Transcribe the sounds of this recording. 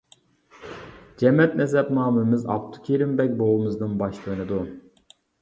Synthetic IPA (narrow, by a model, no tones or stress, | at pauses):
d͡ʒɛmɛt̪̚nɛs̬ɛpmɑːmunmɨzɑ̰pt̪ʰu̥kʲʰiɾɪmbɛk̚ʲbolˠumɨznɨnbɑʃlˠɨnɨd̪u